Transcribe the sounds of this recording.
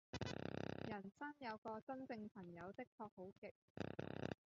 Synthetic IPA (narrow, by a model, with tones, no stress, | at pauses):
jɐ˨˩nsɐ˥ŋjɐ˨˧wkɔː˧t͡sɐ˥nt͡sɪ˧ŋpʰɐ˨˩ŋjɐ˨˧wt̪ɪ˥k̚t̪ʰɔː˧k̚ho˨˥wkɪ˨k̚